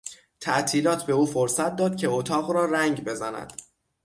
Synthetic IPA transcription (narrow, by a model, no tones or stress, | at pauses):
t̪ʰæʔt̪ʰiːlɒːt̪ʰbe̞uːfoɾsæt̪̚ʰd̪ɒːd̪̚cʰe̞ot̪ʰɒːɣɾɒːɾæŋɟbe̞zænæ̰d̪̥